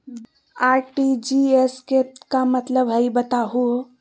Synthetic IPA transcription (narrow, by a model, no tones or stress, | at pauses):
aɾʈid͡ʒiesketkamət̪ləbɦəjbət̪aɦuo